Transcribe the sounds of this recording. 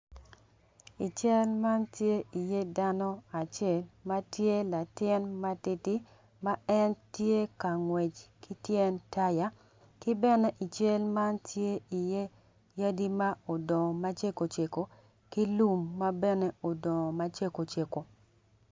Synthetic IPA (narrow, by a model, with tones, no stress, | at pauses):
i˨t͡ʃɛ˦lma˦ntje˦i˨je˦da˦nɔ˦a˨t͡ʃɛ˦˨lma˦tje˦la˨tɪ˦nma˦tɪ˦ti˦ | ma˦ɛ˦ntje˦ka˨ŋwɛ˨t͡ʃki˦tjɛ˦nta˦ja˨˦ | kɪ˦bɛ˦nɛ˦ʔi˨t͡ʃe˦lma˦ntʰje˦i˨je˦ | ja˦di˦ma˦o˨dɔ˨ma˦t͡ʃe˦ko˨t͡ʃe˨ko˨ | ki˦lu˦mːa˦bɛ˦nɛ˦o˨dɔ˨ma˦t͡ʃe˦ko˨t͡ʃe˨ko˨